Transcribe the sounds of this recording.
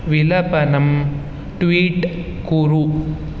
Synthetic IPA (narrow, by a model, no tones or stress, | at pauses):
ʋɪlɐpɐnɐm | ʈʋiːʈ | kuɾu